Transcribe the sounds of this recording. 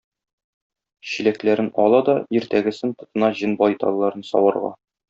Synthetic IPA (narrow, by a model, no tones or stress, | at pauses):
ɕilæklæɾɘnɒlˠɑd̪ɒiɾt̪æɡɘ̆sɘnt̪ŏt̪ɤ̆nɑʑɤnbɒjt̪ɑ̰lˠːɑɾɤnsɒ̰wɑɾʁɑ̰